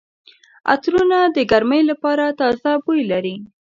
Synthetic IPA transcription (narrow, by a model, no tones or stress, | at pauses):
a̰t̪ɾunad̪əɡaɾməjlapɑɾat̪ɑzabujlaɾi